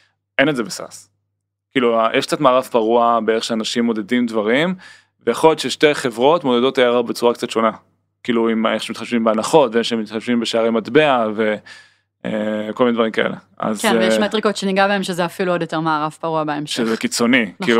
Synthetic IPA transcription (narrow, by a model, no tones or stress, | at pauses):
enetzebesa̰s | kiːluajʔɛʃk̚t͡sat̪maːʁavpaʁuabeeʁeχʃeanaʃimːo̞de̞dimdvaʁim | vejaχoljot̪ʃeʃte̞jχevʁo̞tmo̞dedo̞tajaʁaʁbet͡suʁakt͡satʃo̞na | kiːluimeχʃemit̪χaʃvimbeanaχo̞tveeʃeemit̪χaʃvimbeʃeaʁematbeave̞ | ḛkolminedvaʁimka̰ḛlʔe̞̰ | a̰zjɛʃmatʁikotʃeniɡabaemʃezeafiluod̪joteʁmaːʁavpaʁuabaemʃezekit͡so̞nikiːu